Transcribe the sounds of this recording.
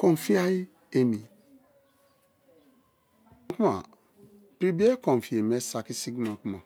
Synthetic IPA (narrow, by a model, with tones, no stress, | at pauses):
kɔ̃˨n˨fi˦a˦ji˦ | e˨mĩ˨˦ | ku˦ma̰˨ | pɾi˦bi˦e˦kɔ̃˨fi˨e˨m˦e˦sa˨ki˦si˦ɡnɔ̃˨ku˦ma˨